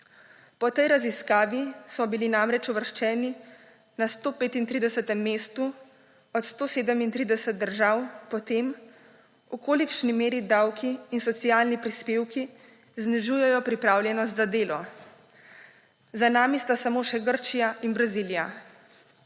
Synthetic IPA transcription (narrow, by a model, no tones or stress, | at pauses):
pɔt̪ɛjɾaziskaːʋismɔbilinamɾɛt͡ʃuʋəɾʃt͡ʃɛːni | nast̪oːpeːt̪int̪ɾiːd̪ɛsət̪ɛmːeːst̪u | ɔt̪st̪oːseːd̪əmint̪ɾiːd̪ɛsɛt̪̚d̪əɾʒawpɔt̪eːm | ukoːlikʃnimeːɾid̪awkʰiːnsɔt̪sijaːlnipɾispeːwki | zniʒujɛjɔpɾipɾaːwljɛnɔs̬t̪zad̪eːlɔ | zanaːmist̪asamoːʃɛɡəɾt͡ʃijaʔinbɾazilija